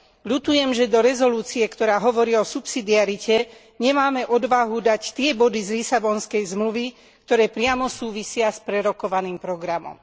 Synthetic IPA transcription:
ʎut̪ujɛmʒɛd̪ɔɾɛzɔluːt͡siɛkt̪ɔɾaːɦɔʋɔɾiːɔsupsid̪iaɾicɛ | ɲɛmaːmɛʔɔd̪ʋaɦud̪act̪ɪɛbɔd̪izlisabɔnskɛjzmluʋi | kt̪ɔɾɛːpɾɪamɔsuːʋisɪaspɾɛɾɔkɔʋaniːmpɾɔɡɾamɔ̰m

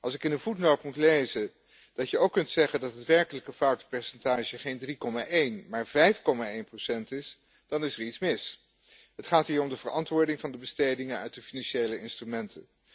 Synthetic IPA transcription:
ʔɑlˠsɪkɪnənvutnɔɹpmutlejzə | d̥ɑtjəowkːɵntsɛχəndɑtɦətʋɛɹkələkəfʌwtpɛɹsɛntaːʒəχejndrikɔmaʔejnmaːɹvɛjfkɔmaːejnprosɛntɪs | d̥ɑnɪsəɹitsmɪs | ɦətχaːtɦiːɹɔmdəvəɹɑ̰ntʋʊːɹdɪŋvɑndəbəstejdɪŋənœ̰ɥt̚dəfinɑnʃejləɪnstrymɛntʰən

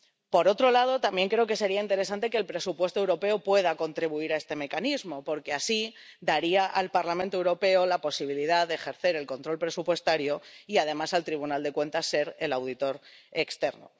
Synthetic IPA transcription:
po̞ɾo̞t̪ɾo̞lað̞o̞t̪ambje̞ŋkɾe̞oke̞se̞ɾiaint̪eɾe̞s̬ant̪e̞keːlpɾe̞supwe̞st̪oe̞wɾo̞pe̞opwe̞ð̞ako̞nt̪ɾiβuiɾae̞st̪e̞me̞kanizmo̞po̞ɾke̞asi | d̪aɾiaʔalpaɾlamẽnt̪o̞ewɾo̞pe̞olapo̞siβ̞iliðaðeːxe̞ɾθe̞ɾe̞lko̞nt̪ɾo̞lpɾe̞supwe̞st̪aɾjo̞iað̞e̞masalt̪ɾiβ̞unald̪e̞kwe̞nt̪asːe̞ɾe̞lawð̞it̪o̞ɾe̞kst̪e̞ɾno̰

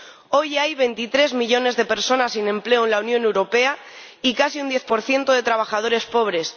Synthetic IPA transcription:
o̞jajβe̞nt̪it̪ɾe̞zmiʎo̞ne̞zðe̞pe̞ɾso̞nasinẽ̞mple̞oenlaunjõ̞newɾo̞pe̞a | ikasiund̪je̞θpo̞ɾθje̞nt̪oð̞e̞t̪ɾaβ̞axaðo̞ɾe̞spo̞β̞ɾe̞s

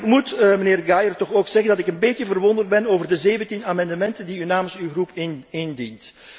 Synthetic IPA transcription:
kmutməneːrɡajərtɔxoːksɛɣəndɑtɪkənbeːtjəvərʋɔndərd̚bɛnoːvərdəzeːvəntinaːmɛndəmɛntəndiynaːmənsywɣrupɪnɪndint

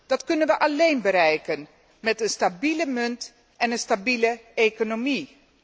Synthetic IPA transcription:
d̥ɑtkɵnənʋəʔɑlejnbəɾɛjkən | mɛtənstabiləmɵnt | ʔɛnənstabiləejkonomi

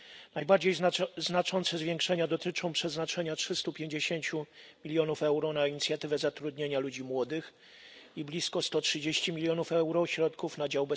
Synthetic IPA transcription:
najbaɾd͡ʑejznat͡ʂɔnt̪sɛzvʲjeŋkʂɛɲad̪ɔt̪ɘt͡ʂɔ̃w̃pʂɛznat͡ʂɛɲatʂɘst̪upʲjeɲd͡ʑeɕeɲt͡ɕumʲilʲjɔnufɛwɾɔnaiɲit̪sʲjat̪ɘvɛzat̪ɾud̪ɲeɲalud͡ʑimwɔd̪ɘx | iblʲiskɔst̪ɔtʂɘd͡ʑeɕt͡ɕimʲilʲjɔnufɛwɾɔɕɾɔt̪kufnad͡ʑawbɛ

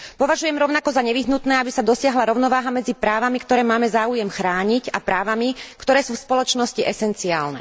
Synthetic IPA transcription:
pɔʋaʒujɛmɾɔʊnakɔzaɲɛʋiɦnut̪nɛːabisad̪ɔsɪaɦlaɾɔʊnɔʋaːɦamɛd͡zipɾaːʋamikt̪ɔɾɛːmaːmɛzaːujɛmxɾaːɲicapɾaːʋamikt̪ɔɾɛːsuːfspɔlɔt͡ʃnɔsciʔɛsɛnt͡sia̰ːlnɛ̰

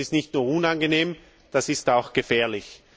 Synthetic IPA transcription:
ɪstnɪçtnuːɐunanɡəneːm | d̥asɪstaʊxɡ̥əfɛːɐlɪç

